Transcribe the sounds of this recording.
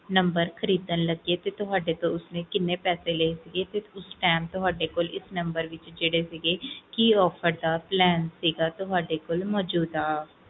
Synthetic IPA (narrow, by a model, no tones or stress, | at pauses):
nəmbəɾxʰəɾiːd̪ənləɡieːt̪eːt̪ʊɦaːɖeːt̪õʊsnẽːkɪnːẽːpɛːseːleisiːɡeːt̪eʊsʈaːmt̪ʊɦaːɖeːkolɪsnəmbəɾʋɪt͡ʃd͡ʒeːɽeːsiːɡeːkiɔːfʰəɾd̪aːplɛːnsiːɡaːt̪ʊɦaːɖeːkolmɔːd͡ʒuːd̪aː